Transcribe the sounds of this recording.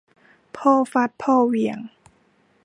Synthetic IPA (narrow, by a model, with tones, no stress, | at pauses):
pʰɔː˥˩fa˧˥t̪̚pʰɔː˥˩wi˨˩˦əŋ